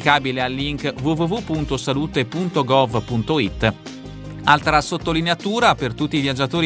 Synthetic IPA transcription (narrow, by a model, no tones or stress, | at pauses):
kaːbilealːiŋkvuvuvupːunt̪osaluːt̪epunt̪oɡɔvpunt̪oit̪ː | alt̪ɾasot̪ːolineat̪uːɾapert̪ut̪ːiːvjad͡ʒat̪oːɾi